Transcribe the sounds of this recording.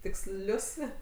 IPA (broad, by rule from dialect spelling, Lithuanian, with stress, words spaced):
tʲɪkˈsʲlʲʊs